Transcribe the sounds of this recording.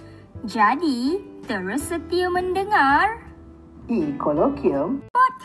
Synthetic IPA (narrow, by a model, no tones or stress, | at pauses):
d͡ʒad̪it̪əɾəsət̪ijəmənɖəŋaɾ | ikolokiəmpat̪ʰ